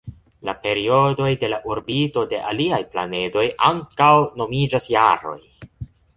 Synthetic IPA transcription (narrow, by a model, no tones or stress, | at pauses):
lape̞ɾio̞do̞jde̞laʔuɾbito̞de̞ʔaliajpla̰ne̞do̞jʔaŋkawno̞mid͡ʒasjaɾo̞̰j